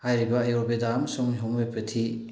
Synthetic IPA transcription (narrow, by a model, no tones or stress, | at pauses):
hajɾibaːjɔɾbedamsɔŋɦɔmepʰɐtʰi